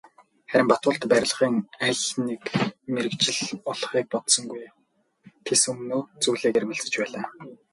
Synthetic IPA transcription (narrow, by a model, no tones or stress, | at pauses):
χæɾʲɪ̆mpat̪ʊːɬt̪pæɾʲɪ̆ɮʁiːŋæɮnekmeɾɘ̆kt͡ɕɪ̆ɮɔɮχiːk̚pɔt̪sɞ̆ŋɡuj | t̪ʰesɵmnoːt͡suːɮeːkermɘ̆ɮt͡sɘ̥̆t͡ɕpæːɮaː